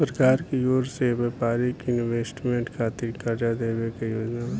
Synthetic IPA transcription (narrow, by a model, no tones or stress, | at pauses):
pɾəkaːɾkioːɾseʋɛːpaːɾikɪnʋeːsʈmẽɳʈkʰaːt̪ɪkaɾd͡ʒad̪eːbekejoːd͡ʒnam